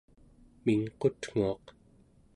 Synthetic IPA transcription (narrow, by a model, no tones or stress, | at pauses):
miŋqot̪ŋ̥uɑq